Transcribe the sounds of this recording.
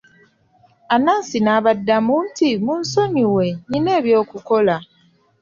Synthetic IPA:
anaːnsinaːβadːamuntimunso̞niwe̞ɲine̞ːβjo̞ːkuko̞la

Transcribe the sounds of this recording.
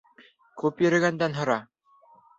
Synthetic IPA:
kʉpjɵ̆ɾɘ̆ɡænd̪ænɦŏɾɑ

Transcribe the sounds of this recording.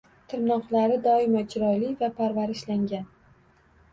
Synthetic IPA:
t̪ʰɪɾnɒqlaɾɪd̪ɒɪmad͡ʒɪɾɒjlɪvapʰaɾvaɾɪʃlaŋɡʲan

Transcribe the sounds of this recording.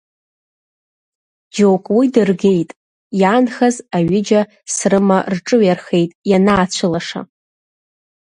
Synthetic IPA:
d͡ʒowkʷʼwidɨrɡe̞jtʼ | janχazaɥɪd͡ʒa | srɨmarʈ͡ʂʼɨɥarχe̞jtʼjanaːt͡ɕʷʰɨlaʂa̰

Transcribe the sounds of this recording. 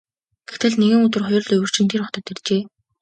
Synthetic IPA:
ɡ̥ext̪ɘ̆ɮneɣɘ̆ŋɵt̪ɘ̆rχɔjɞ̆ɮɵwɵ̆r̥t͡ɕɪ̆nt̪ʰerɔχt̪ə̆t̪ʰːert͡ɕeː

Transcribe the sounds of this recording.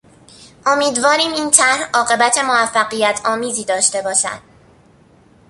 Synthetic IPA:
ʔo̞miːd̪vɒːɾiːmiːnt̪ʰæhɒːɢe̞bæt̪ʰe̞moæfːæɢijæt̪ʰɒːmiːziːd̪ɒːʃt̪e̞bɒːʃæ̰d̪̥

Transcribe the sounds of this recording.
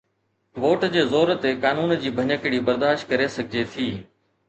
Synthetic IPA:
ʋoːʈd͡ʑeːzoːɾt̪ekaːnuːnd͡ʑiːbʱəɲəkɪɽiːbəɾd̪aːʃʈ̚kəɾesəɡʱɪd͡ʑet̪ʰiː

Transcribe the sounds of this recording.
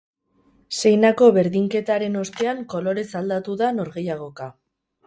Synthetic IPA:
se̞jnako̞βe̞ɾðiŋke̞t̪aɾe̞no̞st̪e̞aŋko̞lo̞ɾe̞sald̪at̪uðano̞ɾɣejaɣ̞o̞ka

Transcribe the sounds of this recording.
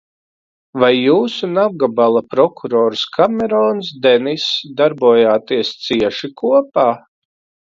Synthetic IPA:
vajːuːsunab̚ɡabalˠapɾɔkʰuɾɔːɾskʰamɛɾɔːns̬d̪ɛnisd̪aɾbuɔjaːt̪iɛst̪siɛʃikʰuɔpaː

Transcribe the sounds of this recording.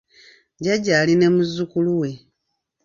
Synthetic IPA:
ɟaɟaːline̞muzukuluwe̞

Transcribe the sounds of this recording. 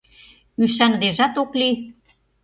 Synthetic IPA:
yʃ̬ænd̪eʒæt̪okli

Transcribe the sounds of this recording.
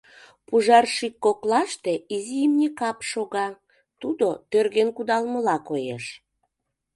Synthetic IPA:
puʒɑrʃikːoklɑʃt̪eizijimnʲekɑpʃoɣɑ | t̪ud̪ot̪ørɣenkud̪ɑlməlɑkojḛʃ

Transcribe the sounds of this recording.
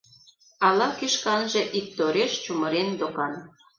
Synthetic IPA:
ɑlɑkiʃkɑnʒĕʔik̚t̪oɾeʃt͡ɕuməɾend̪okɑn

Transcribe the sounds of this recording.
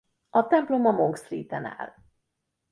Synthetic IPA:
ɒt̪ɛmplo̞mɒmoŋkst̪rḭːt̪ɛna̰ːl

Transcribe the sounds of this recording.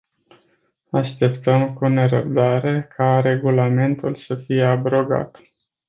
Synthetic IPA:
aʃt̪e̞pt̪əmkune̞ɾəb̚d̪aɾe̞kʰaɾe̞ɡulame̞nt̪ulsəfije̞abɾo̞ɡa̰t̪

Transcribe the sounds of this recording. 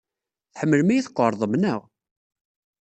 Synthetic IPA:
θħəmːəlmæjiθqːəɾˤðˤəmnəʁ

